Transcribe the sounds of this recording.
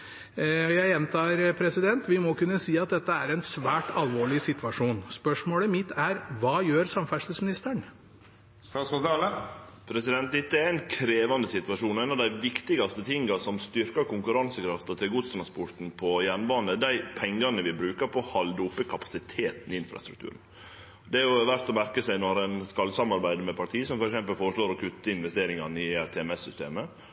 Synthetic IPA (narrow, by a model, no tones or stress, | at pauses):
jæɪɛnt̪ʰɑːɾpʰɾɛsɪd̪ɛnt̪ʋɪmɔkʉnːəsiːɑt̪̚d̪ɛt̪ːəæɾɛɪnsʋæːʈɑlʋoːɭɪsɪt̪ʋɑʂuːnspœʂmoːɽəmɪt̪ʰːæɾʋɑːjøːɾsɑmfæʂt̪əsmɪnɪst̪əɳ | st̪ɑːt̪sɔt̪ɑləpʰɾɛsɪd̪ɛnt̪̚d̪ɛt̪ːəɛɾɛɪnkʰɾeːʋɑnd̪əsɪt̪ʋɑʂuːnæɪnɑʋd̪æɪʋɪkt̪ɪɡɑst̪ət̪ʰɪŋɡɑsɔmst̪ʏɾkɑkʊŋkʉɾɑnsəkʰɾɑft̪ɔt̪ʰɪlɡuːd̪st̪ɾɑnspʊɾʈ̪n̩pʰɔjænbɑːnəd̪æɪpʰɛŋɡɑnəʋɪbɾʉːkəɾpʰɔhɑld̪əʊpːəkʰɑpɑ̥sɪt̪ʰeːt̪n̩ɪɪnfɾɑ̰st̪ɾʉ̰kt̪ʉ̰ːɾən | d̪ɛæjʊʋæɾt̪ɔmæɾkəsæɪnɔɾæɪnskɑlːsɑmɑɾbæɪd̪mɛpʰɑʈʰiːsɔmfɔɾɛksɛmpəlfoːɾəʂloːɾɔkʰʉt̪ːəɪnʋɛst̪eːɾɪŋɑnɪæɾt̪ʰɛɛmɛsːʏst̪ḛːmə